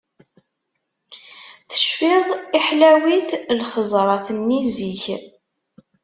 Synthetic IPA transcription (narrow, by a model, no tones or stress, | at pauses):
θə̥ʃfiðˤiħlæwiθlχəzˤɾˤɑθnːiziç